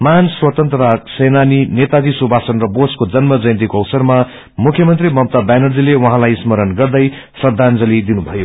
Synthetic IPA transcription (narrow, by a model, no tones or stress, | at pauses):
manswʌt̪ʌnt̪ɾʌɾasenaninet̪ad̪isubʱasʌnrʌboskod͡zʌnmʌd͡zʌjnt̪ikoʌwsʌrma | mukʰjʌmʌnt̪rimʌm̚t̪abanʌrd͡zilewʌɦãlajsmʌɾʌnɡʌrd̪ʌj | sʌd̪ʱːand͡zʌlid̪inubʱʌjo